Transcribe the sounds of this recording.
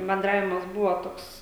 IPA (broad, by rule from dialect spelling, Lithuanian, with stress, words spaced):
bʲɛnˈdrɑːʋʲɪmɐs ˈbʊʋoː ˈtoːks